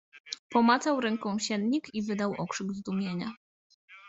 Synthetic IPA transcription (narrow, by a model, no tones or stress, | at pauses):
pɔmat̪sawɾɛŋkɔ̃w̃ɕɛnɲikivɘd̪awʔɔkʂɘɡzd̪umʲjeɲa